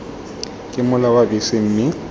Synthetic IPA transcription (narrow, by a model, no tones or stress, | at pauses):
kʼɪmʊlawabɪsɪm̩ːmɪ